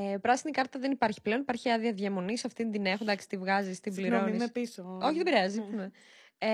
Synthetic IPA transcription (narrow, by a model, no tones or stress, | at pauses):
epɾɐsinikɐɾt̪t̪ɐðenipɐɾçi̥ple̞onipaɐɾçiɐðiɐðʝɐmo̞nisɐft̪ind̪inexond̪ɐksi̥t̪ivɣɐzist̪imbliɾonnimepisoo̞çiðebiɾeɐzime